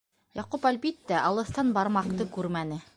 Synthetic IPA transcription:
jɑqupælbit̪ːæʔɑlˠɤ̆θt̪ɑnbɑɾmɑqt̪ɤkʉɾmænɘ

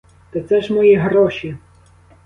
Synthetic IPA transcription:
t̪ɐt̪sɛʒmɔjiɦɾɔʃʲi

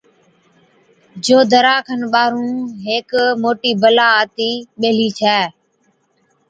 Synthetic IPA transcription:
d͡ʒoːd̪ʱəɾaːkʰənɓaːɾũːɦeːkmoːʈiːbəlaːaːt̪iːɓeːliːt͡ʃʰɛː

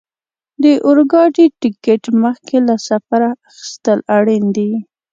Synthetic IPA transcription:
d̪əʔʊɾɡɑʈiʈɪkeʈməxkelasafaɾaaxi̥st̪əlaɽind̪i

